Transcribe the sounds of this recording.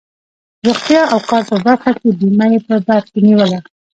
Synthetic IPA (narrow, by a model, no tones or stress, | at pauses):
ɾoχt̪jɑawqɑɾpəbaɾxakebimajepəbad̪̚keniwəla